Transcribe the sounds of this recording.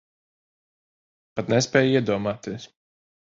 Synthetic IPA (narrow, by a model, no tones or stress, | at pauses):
pat̪nɛspʲɛːjiɛd̪uɔmaːt̪iɛs